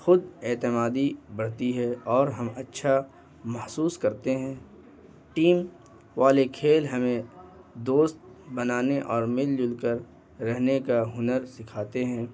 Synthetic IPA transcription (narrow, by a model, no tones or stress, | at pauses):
xʊd̪eːt̪ɪmaːd̪ibɐɽ̤t̪iɦɛɔːɾɦɐmɐtːʃʰa | mɐhsuːskɐɾt̪eɦɛ̃ː | ʈiːm | ʋaːlekʰeːlɦɐmẽ | d̪oːst̪̚bɐnaːneʔɔːɾmɪld͡ʒʊlkəɾː | ɛɦnekaɦʊnəɾsɪkʰaːt̪eɦɛ̃ː